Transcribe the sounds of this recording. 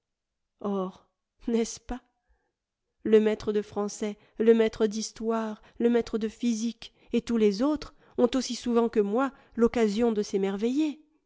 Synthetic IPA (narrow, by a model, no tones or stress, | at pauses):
ɔʁ | nɛspa | ləmɛt̪χəd̪əfχɑ̃sɛ | ləmɛt̪χəd̪ist̪waʁ | ləmɛt̪χəd̪əfizik | et̪ulezot̪χ | ɔ̃t̪osisuvɑ̃kəmwa | lɔkazjɔ̃d̪əsemɛʁveje